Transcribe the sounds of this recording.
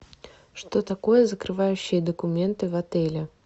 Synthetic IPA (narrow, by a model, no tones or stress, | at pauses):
ʂt̪o̞t̪ɐko̞jəzəkɾɨvajʉɕːɪjəd̪əkʊmʲe̞nt̪ɨvɐt̪ɛlʲɪ